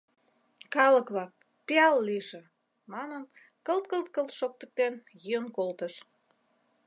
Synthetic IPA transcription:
kɑləkβɑk̚ | peɑlːiʃĕ | mɑnən | kəlt̪kəlt̪̚kəlʃok̚t̪ə̆k̚t̪enjyənkolt̪əʃ

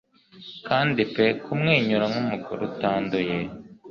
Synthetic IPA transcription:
kaːndipekʰumŋeːɲuɾamumuɡṵɾutaːndoje

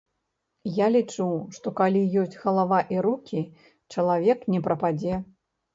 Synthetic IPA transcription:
jalʲit͡ʂuwʂt̪ɔkalʲijɔsʲt͡sʲɣɐlˠavaʔiɾukʲʰi | t͡ʂɐlˠavʲɛknʲɛpɾɐpad͡zʲɛ

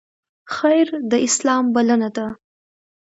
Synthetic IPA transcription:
xajɾd̪əʔɪslɑmbalənad̪a

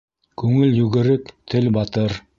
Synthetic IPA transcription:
kʉŋɘljʉɡɘ̆ɾɘkt̪ʰɘlbɑt̪ɤɾ

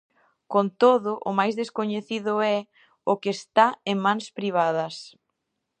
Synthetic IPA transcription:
kont̪oðʊʔʊmajzðeskoɲeθiðʊɛ | ʊkest̪aeŋmãŋspɾiβ̞aðɐs

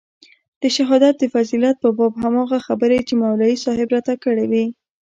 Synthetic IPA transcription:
d̪̥əʃaɦɑd̪at̪̚d̪əfazilat̪̚pəbɑbɦamɑɣaxabəɾajt͡ʃemawlɑisɑɦɪbɾat̪akəɽewi

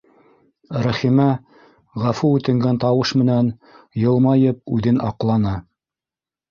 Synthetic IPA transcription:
ɾæχimæ | ʁæfuʉt̪ɘ̆ŋɡænt̪ɑwɤʃmɘ̆næn | jɤ̆lˠmɑjɤp̚ʉðɘnɑqlˠɑnɑ

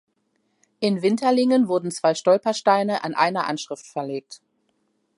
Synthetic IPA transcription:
ʔɪnvɪntʰɐlɪŋənvʊɐdn̩t͡sv̥aɪʃtɔlpɐʃtaɪnəʔa̰nʔa̰ɪnɐʔa̰nʃʁ̥ɪftfɛɐleːk̚t

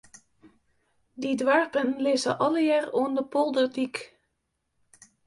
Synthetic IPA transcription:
didʋɑɹpənleːzə̰ʔɑləjɛrɔndəpɔlˠdədik

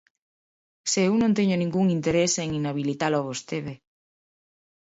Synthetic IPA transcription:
seewnõnt̪eɲonĩŋɡuŋint̪eɾeseŋinaβilit̪alaβost̪eβe

